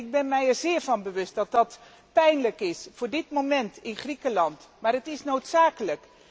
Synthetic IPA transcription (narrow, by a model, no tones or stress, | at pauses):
ɪɡ̚bɛnmɛjɛrzɪːɹvɑnbəʋɵstdɑt̚dɑt | pɛjnləkɪsfʊːɹdɪtmomɛntɪnχrikəlɑntmaːrətɪsnowtsaːkələk